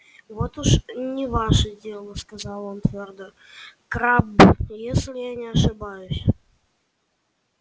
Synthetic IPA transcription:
vot̪uʂnʲɪvaʂədʲe̞lˠəskazɑlˠont̪vʲord̪o | kɾabjesʲlʲɪjanʲɪɐʂɨbajʊsʲ

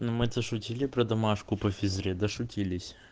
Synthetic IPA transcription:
nʊmɨt̪ɐʂʊtʲilʲɪpɾɐd̪ɐmaʂkʊpɐfʲɪzɾʲɛd̪ɐʂʊtʲilʲɪsʲ

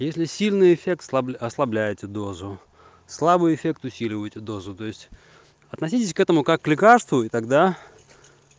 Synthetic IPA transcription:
jesʲlʲɪsʲilʲnɨjɪfʲe̞k̚t̪slˠɐbʲɐslˠɐblʲæjɪtʲɪd̪o̞zʊ | slˠabɨjɪfʲe̞k̚t̪ʊsʲilʲɪvəjtʲɪd̪o̞zʊt̪o̞ɪsʲtʲ | ɐt̪nɐsʲitʲɪsʲkɛt̪əmʊkakːlʲɪkarst̪vʊit̪ɐɡd̪a

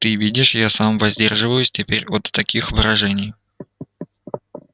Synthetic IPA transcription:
t̪ɨvʲidʲɪʂjasamvɐzʲdʲerʐɨvəjʊsʲtʲɪpʲeɾʲot̪ːɐkʲixvɨɾɐʐɛnʲɪj

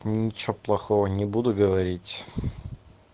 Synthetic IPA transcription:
nʲɪt͡ɕoplˠɐxovənʲɪbud̪ʊɡəvɐɾʲitʲ

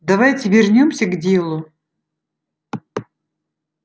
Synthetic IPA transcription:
d̪ɐvajtʲɪvʲɪrnʲomsʲəɡdʲelˠʊ

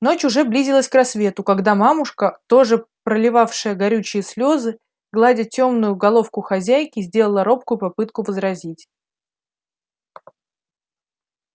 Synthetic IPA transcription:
no̞t͡ɕʊʐɛblʲizʲɪlˠəsʲkrɐsvʲe̞t̪ʊkɐɡd̪amamʊʂkət̪o̞ʐɨpɾəlʲɪvafʂɨjəɡɐɾʲut͡ɕɪjəslʲo̞zɨ | ɡlˠadʲɪtʲːo̞mnʊjʊɡɐlˠo̞fkʊxɐzʲæjkʲɪzʲdʲe̞lˠəlˠəɾo̞p̚kʊjʊpɐpɨt̪̚kʊvəzɾɐzʲitʲ

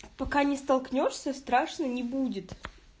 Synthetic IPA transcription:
pɐkanʲɪst̪ɐlˠknʲoʂsʲəst̪ɾaʂnənʲɪbudʲɪt̪

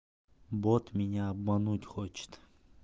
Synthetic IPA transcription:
bot̪mʲinʲaːbmanut̪ʲχot͡ʃʰɪ̥t̪

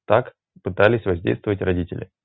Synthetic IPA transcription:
t̪ak | pɨt̪alʲɪsʲvɐzʲdʲḛjst̪vəvətʲrɐdʲitʲɪ̰lʲɪ̰

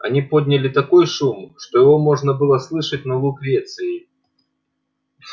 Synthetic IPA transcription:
a̰nʲipɔd̪ʲnʲɐlʲit̪akɔjʂumʂt̪ɔjɪɣɔmɔʐnɐbɨlˠɐslˠɨʂɐtʲnɐlˠukvʲet̪sɨji

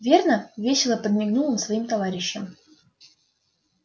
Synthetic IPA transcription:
vʲe̞rnəvʲesʲɪlˠəpəd̪̚mʲɪɡnulˠəmsvɐimt̪ɐvaɾʲɪɕːəm

